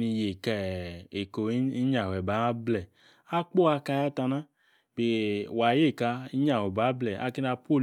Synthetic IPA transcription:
ni˧je˨kɛ˨e˨ko˨˦i˦ɲa˨wɛ˨ba˨˦blɛ˨ | a˦k͡po˦a˧ka˧ja˦ta˧na˦ | be˨wa˨je˦˨ka˧˦i˦ɲa˨wɛ˨ba˨˦blɛ˨a̰˦ki˦na˧po˦˨

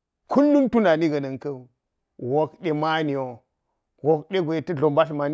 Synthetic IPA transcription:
kʰu˦nːu˦ntu˦na˨ni˦ɡɐ˨nɐ˨ŋkɐ˦˨ | wo˨kɗe˨ma˦ni˨wo˨ | wo˨k̚ɗe˦ɡʷo˨tɐ˦ɮo˨mba˦ɬma˨ni˦

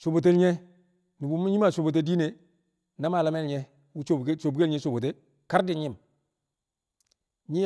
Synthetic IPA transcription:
so˨bo˨t̬e˦lɲe˦ | ni˨bu˦mi˦ɲi˦ma˨so˨bo˨t̬e˦di˦ne˨ | na˦ma˨la˦me˦lɲe˦ | wu˦t͡ʃo˦˨˦so˨bke˦lɲe˦so˨bo˨t̬e˦ | ka˦ɾdi˨ɲi˦m | ɲi˦

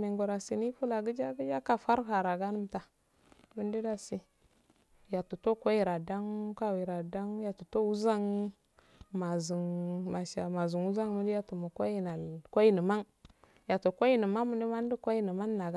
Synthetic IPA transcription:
me˨ŋɡo˨ɾa˨si˨ni˦fu˦la˨ɡə˦d͡ʒa˦ɡə˦d͡ʒa˦ka˨fa˦ɾka˨ɾa˨ɡa˦nə˦mta˨ | mi˦ndi˦da˨si˨ | ja˨tu˨to˦kʷo˦i˦˨ɾa˨da˦ŋka˦wi˨ɾa˨da˦ŋja˨tu˨to˦wu˦za˦ŋ | ma˨zi˨ŋma˨ʃa˨ma˨zu˨nu˦za˦ŋmə˦di˦ja˨tu˨mu˨kʷo˦ji˨na˨lko˦i˦nə˨ma˦ŋ | ja˨to˨kʷo˦i˦nə˨ma˦mə˨ndi˦ma˦n˦di˦ko˦i˦nə˨ma˦nːa˨ɡa˦

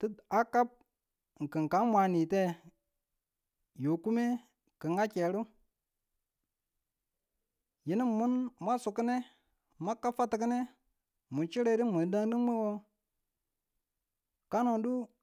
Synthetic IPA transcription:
ti˦a˦ka˦p̚ | ŋ̩˨kə˨ŋ˨ka˨˦nmʷa˨ni˨te˦ | jo˨ku˦me˦ | kə˨ŋa˦ke˨ɾu˦ | ji˨ni˦mmu˦nma˦su˨kə˦ne˦ | ma˦kːa˦fa˦ti˨k̬i˦ne˦ | mu˨t͡ʃi˦ɾe˦di˦mu˨˦da˦ŋ˦di˦mə˦wo˦ | ka˦no˨du˦

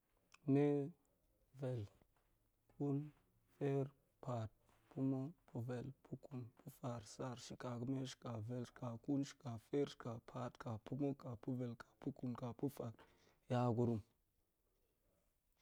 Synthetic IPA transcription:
ne˦ | ve˨l | ku˦n | fe˦ɾ | pʰa˨t̚ | pʰu˦mo˦pʰu˨ve˨lpʰu˦ku˨npʰu˦fa˨ɾsa˨ɾʃi˨ka˨ku˦me˦ʃi̥˨ka˨ve˨lʃka˨ku˦nʃi̥˨ka˨fe˦ɾʃka˨pʰa˨tka˨pu˦mo˦ka˨pu˦ve˨lkḁ˨pu˦ku˨nka˨pu˦fa˨k | ja˦ɡu˨ɾu˦m

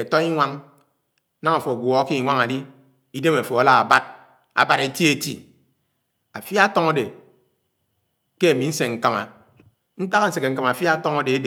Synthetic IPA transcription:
e˨tɔ˦i˦ŋʷa˦ŋ˦ | na˦ŋa˨fɔ˨ɡʷɔ˨˦ki˦˨ŋʷa˦ŋa˨di˦ | i˦de˦ma˨fɔ˨a˨la˦a˨ba˦t̚ | a̰˨ba˦ɾe˦ti˦e˦tḭ˦˨ | a˨fja˦tɔ˦ŋo˦de˨ | ke˦e˨mi˨˦n̩˦se˨ŋ̩˨ka˨ma̰˨ | n̩˦ta˦ɣa˦n̩˨˦se˨ke˨ŋ̩˨ka˨ma˨a˨fi˦a˦tɔ˦ŋo˦de˨e˦de˨

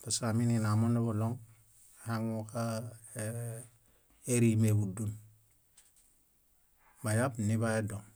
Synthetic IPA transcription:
pa˨saminina˨mo˦ne˦bo˨lɔ˦ŋ | ha˦ŋoka | e˦ɾimebu˨dun | ba˨ja˦pni˦ba˦e˦dɔ˨ŋ

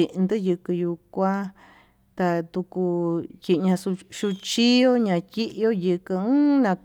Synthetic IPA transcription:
i˨ʔnd̪ɨ˦jɨ˧kɨ˧ju˧kʷã˦ | t̪a˧t̪u˧ku˧ji˧ʔɲã˧su˧ʃu˧t͡ʃi˦jo˦ɲã˧ti˦ʔjo˦jɨ˧kɨ˧ɨ̃˦nã˧k

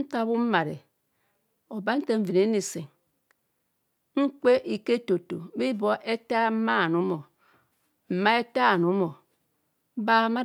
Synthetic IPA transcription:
ta˦bu˦m̩˦ma˨ɾḛ˨ | o˨ba˦n̩˦te˦ɱ̩˦vi˨ne˨˦ni˨se˨ŋ | ŋ̩˦k͡pe˦ʔi˨ke˦to˨to˨˦bi˦bo˦ʔe˦ta˦m̩˦ma˦˨nu˦mo˨ | m̩˨ma˦e˦ta˦˨nu˨˦mo˨˦ | ba˦ma˦

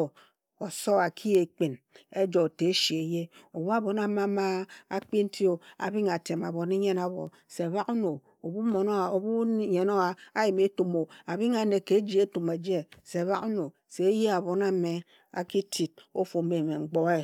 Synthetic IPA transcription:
o˨sɔ˦a˨kʰi˦je˨k͡pi˨ne˦d͡ʒo˨te˨˦ʃi˨e˨je˦o˨bu˦a˦bo˨na˦˨ma˦ma˦a˦k͡pi˦n̩˦tʰi˦o˨a̰˨bi˦ŋa˨te˨ma˨βo˨ni˦ɲe˦na˦βɔ̰˨ | se˨a˨βa˦ku˦no˨ | o˨bu˦mo˨no˦˨o˨bu˦ɲe˨no˦a˨a˦ji˨me˦tu˨mo˨a˨bi˦ŋa˨ne˨ke˨˦d͡ʒi˦e˦tu˨ma˨d͡ʒe˦se˨a˨βa˦ku˦no˨ | se˨˦je˦a˨bo˨na˦me˨ | a̰˨ki˦ti˨t̚o˦fo˨˦me˨me˨ŋ͡m̩˨ɡ͡bɔ˨e˦

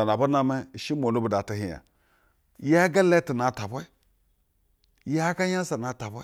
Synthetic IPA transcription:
a˨n˨a˨ba˦na˦me˦˨ʃi˦mo˨nu˦bu˨da˨ta˨hi˨ja̰˨ | ja˦ɡa˦le˦ti˨na˨ta˨bʷe˦ | ja˦ɡa˦ja˦sa˨na˨˦ta˨bʷe˦

